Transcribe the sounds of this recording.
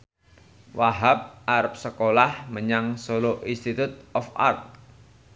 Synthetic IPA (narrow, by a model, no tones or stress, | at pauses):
waɦap̚aɾəp̚səkolahməɲaŋsoloʔinst̪it̪ut̪̚ɔfa̰rt̪̚